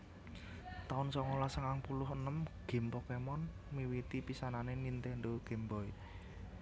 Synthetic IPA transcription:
t̪aʊnsɔŋolasəŋaŋpulʊɦənəmɡ̥e̤mpɔkemɔn | miwit̪ipisananenint̪ɛndoɡ̥e̤mbɔi

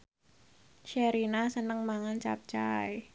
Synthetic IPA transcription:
ʃɛɾinasənəŋmaŋant͡ʃa̰p̚t͡ʃa̰j

